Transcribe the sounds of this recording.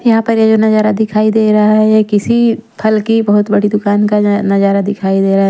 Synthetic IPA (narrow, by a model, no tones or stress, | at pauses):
jɐɦãpɐɾjad͡ʒoːnɐd͡ʒaːɾad̪ɪkʰaːid̪eːɾaɦaɦɛɛkɪsipʰɐlkibɐɦʊt̪bɐɽid̪ʊkaːnkanɐd͡ʒaːɾad̪ɪkʰaːid̪eːɾa